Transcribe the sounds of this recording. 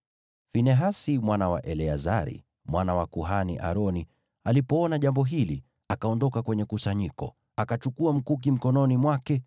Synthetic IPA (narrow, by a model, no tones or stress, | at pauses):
finɛɦasimwanawa̰ʔɛlɛazaɾḭ | mwʔanawakuɦanḭʔa̰ɾɔni | alipɔɔnaʄambɔɦili | akaɔndɔkakwɛɲɛkusaɲikɔ | akat͡ʃukuam̩kuk̬im̩kɔnɔnimwakɛ